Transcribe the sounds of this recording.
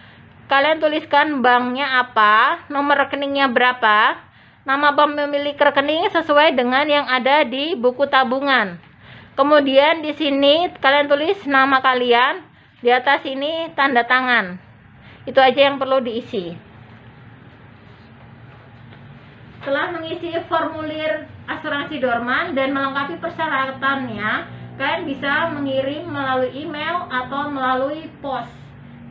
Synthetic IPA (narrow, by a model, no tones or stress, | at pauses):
kaliant̪uliskanbaŋɲaːpanomərəkənɪŋɲabəɾapa | namapəməmilɪkrkənɪŋsəsuajdəŋanjaŋadadibukut̪abuŋan | kəmudiandisinikaliant̪ulɪsnamakalian | diat̪asinit̪andat̪aŋan | it̪uad͡ʒajaŋpərludiːsi | t̪əlahməŋisifɔrmulɪrʔasuɾansidɔrmandanməlaŋkapipərsəɾat̪anɲakajanbisaməŋiɾɪmːəlaluiːmelat̪awməlaluipɔs